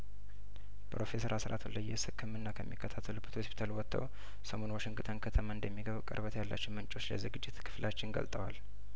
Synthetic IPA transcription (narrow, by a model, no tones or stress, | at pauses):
pɾo̞fe̞səɾasɾʔa̰t̪ʰuləjːɛsɨkʰːɨmɨnːakʰəmːikʰːət̪ʰat̪ʰːəlubət̪hospʰi̥t̪ʰalwɔt̪ʰːə̰w | səmo̞nwaʃɪŋɡɨt̪ʰʼənkʰət̪ʰəmaɨnd̪əmːiɡəβkʼə̰ɾbət̪jalːa̰t͡ʃːɪnmɨnt͡ʃʼo̞t͡ʃːlə̰zɨɡɨd͡ʒːɪt̪kʰɨ̥flat͡ʃːɪnɡə̰lt̪ʼəwal